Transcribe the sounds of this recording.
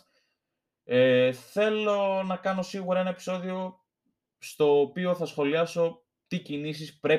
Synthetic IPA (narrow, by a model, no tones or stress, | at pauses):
eθe̞lo̞nɐkɐno̞siɣuɾɐe̞nɐe̞pi̥so̞ðio̞ | st̪o̞ːpio̞θɐsxo̞liɐso̞ | t̪icinis̬ispɾe̞